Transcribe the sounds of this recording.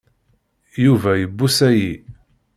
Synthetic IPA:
juvæjəbːusæji

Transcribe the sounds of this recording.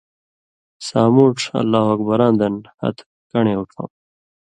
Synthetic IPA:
saːmuːʈ͡ʂɐ̰lːaːɦwɐkbɐɾaːnd̪ɐnhɐ̰t̪ | kɐɳeːuʈfa̰m

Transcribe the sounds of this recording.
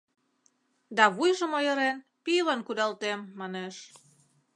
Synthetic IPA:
d̪ɑβujʒə̆mojə̆ɾen | pilənkud̪ɑlt̪emːɑneʃ

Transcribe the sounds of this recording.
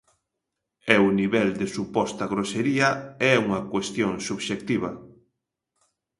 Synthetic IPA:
ɛuniβɛld̪esupɔst̪ɐɣɾoseɾiɐɛuŋɐkwest̪joŋsuβʃek̚t̪iβ̞ɐ

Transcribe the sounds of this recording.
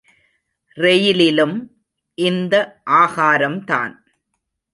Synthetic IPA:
rɛjɪlɪlɯm | ʔɪnd̪ɐʔaːɣaːɾɐmt̪a̰ːn

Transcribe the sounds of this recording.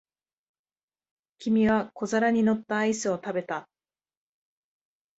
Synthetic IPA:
kʲimʲiβako̞zaɾaɲ̟ino̞t̪ːaːisɨo̞t̪abe̞t̪a

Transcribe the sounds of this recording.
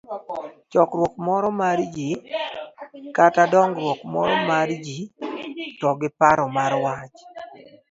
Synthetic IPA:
t͡ʃɔkɾwɔkmɔɾɔmaɾd͡ʒi | katadɔŋɡɾwɔkmɔ̰ɾɔmaɾd͡ʒi | tɔɡɪpaɾɔmaɾwat͡ʃ

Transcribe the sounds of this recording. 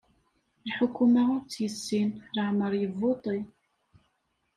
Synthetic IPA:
lħʊkːumaʊɾt͡sːjəsːinɾəʕməɾˤjəvːot̪ˤi

